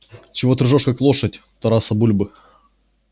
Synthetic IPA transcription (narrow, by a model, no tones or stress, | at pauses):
t͡ɕɪvot̪ɾɨʐoʂkaklˠoʂət̚ʲ | t̪ɐɾasɐbulʲbɨ